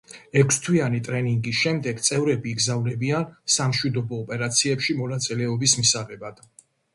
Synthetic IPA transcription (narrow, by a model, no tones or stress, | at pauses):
ɛkʰst̪ʰwianit̪ʼɾɛniŋɡisʃɛmd̪ɛɡt̪sʼɛvɾɛbiːɡzavnɛbiansamʃwid̪ɔbɔːpʼɛɾat̪sʰiɛpʃimɔnat̪sʼilɛɔbismisaʁɛbad̪̥